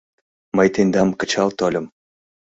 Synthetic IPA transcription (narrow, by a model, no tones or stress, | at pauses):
məjt̪enʲd̪ɑmkə̆t͡ɕʰɑlˠt̪olʲə̆m